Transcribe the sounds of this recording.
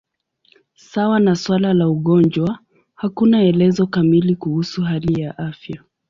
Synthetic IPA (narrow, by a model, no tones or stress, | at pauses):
sawanaswalalauɠɔnd͡ʒwa | hakunaɛlɛzɔkamilikuhusuɦalijaʔafja